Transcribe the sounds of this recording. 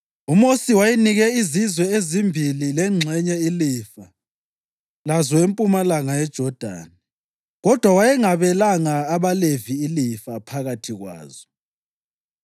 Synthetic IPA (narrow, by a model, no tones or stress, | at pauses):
umosiwajiniɣɛizizwɛezimbʱililɛŋ͡ǀʱɛɲɛilifa | lazɔwempʼumalaŋajɛd̥ʒ̥ʱɔd̥ʱa̰ːni | ɣɔd̥ʱwawajɛŋaβɛlaŋaːβaleviːlifapʰaɣatʰiɣwa̰ːzɔ